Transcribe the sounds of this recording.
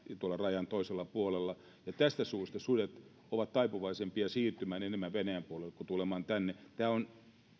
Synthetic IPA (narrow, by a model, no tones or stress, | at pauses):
t̪uolːˑɑrɑjɑnt̪oiselːɑpuolelːɑ | jɑt̪æst̪æsuːst̪ɑsudet̪ | oʋɑt̪t̪ɑipuʋɑisempiɑsiːrt̪ymæːnenemːæʋʋenæjæmpuolelːekut̪ulemɑːnt̪ænːet̪æːon